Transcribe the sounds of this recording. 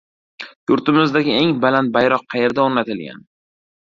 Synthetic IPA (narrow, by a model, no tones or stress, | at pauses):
jʊɾt̪ɪmɪzd̪aɡʲɪe̞ŋbalant̪̚bajɾɒqːʰɑje̞ɾd̪aoɾnat̪ʰɪlɡʲa̰n